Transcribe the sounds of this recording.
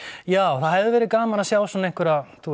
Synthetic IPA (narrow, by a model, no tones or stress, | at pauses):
jaːwθaðhɛvðʏvɛːɾɪðkaːmaɾasjaːwsɔnejŋkʏɾaθu